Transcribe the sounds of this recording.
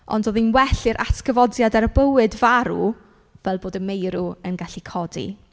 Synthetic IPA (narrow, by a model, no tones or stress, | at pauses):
ɔ̰ndoðinwɛɬɪɾʔa̰tkəvɔdjadarbəwɨdvaɾu | vɛlˠboːdəmejɾuənɡaɬikʰɔdḭ